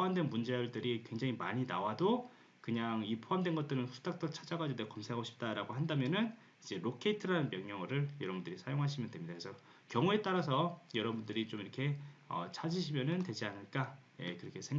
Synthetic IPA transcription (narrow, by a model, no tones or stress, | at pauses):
poamdwe̞nmund͡ʑejʌɭdɯɾikwe̞ŋd͡ʑaŋimaɲinawado | kɯɲaŋipʰoɦamdwe̞nɡʌt͈ɯɾɯnɸu̥t͈ʰak̚t͈ʌt͡ɕʰad͡ʑaɡad͡ʑidekʌmsʰeaɡoɕʰi̥p̚t͈aɾaɡoɦandamjʌnɯn | id͡ʑe̞ɾokʰe̞itʰɯɾanɯnmjʌŋɲʌŋɯɾɯɭjʌɾʌbundɯɾisʰajoŋɦaɕʰimjʌndwe̞mɲidakʰesʰʌ | kjʌŋue̞t͈aɾas̬ʰʌjʌɾʌbundɯɾit͡ɕomiɾʌkʰe̞ʌ̰t͡ɕʰad͡ʑiɕʰimjʌnɯntwe̞d͡ʑianɯɭk͈a | je̞kɯɾʌkʰe̞sʰeŋ